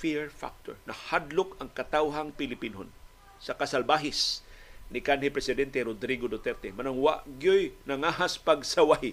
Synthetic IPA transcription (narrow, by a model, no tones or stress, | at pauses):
fiɹfa̰k̚t̪oɹnɐhad̪lokɐŋkɐt̪awɦaŋpɪlɪpinhon | sɐkɐsalbaɦɪsnɪkanhɪpɾɛsɪd̪ɛnt̪ɛɾod̪ɾiɡod̪ot̪ɛɾt̪ɛmɐnoŋwaʔɡjojnɐŋaɦaspɐɡsawaj